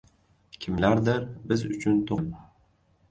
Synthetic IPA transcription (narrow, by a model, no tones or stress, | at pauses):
kʲʰɪmlaɾd̪ɪɾbɪzʊt͡ʃʰʊnt̪ʰom